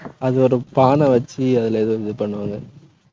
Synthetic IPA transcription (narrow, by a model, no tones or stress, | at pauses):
ɐðɯɔɾɯpaːnɐ̃ʋɐt͡ʃːiɐðɪleðɯɪðɯpɐɳːɯʋaːŋɡɐ